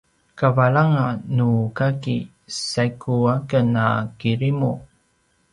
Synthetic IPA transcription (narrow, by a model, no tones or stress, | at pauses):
kavaɭaŋanukaki | sajkʰuakənakiɾimu